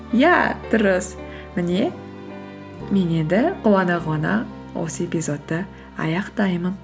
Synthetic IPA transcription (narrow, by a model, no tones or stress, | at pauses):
jæd̪̥ʊɾəs | mɪne̞ | me̞ne̞nd̪ɪqʰʊwˠɑnɑʁɑnɑ̰ | wo̞̰səe̞pʲizo̞t̪ːə | ɑ̰jɑqt̪ɑjmən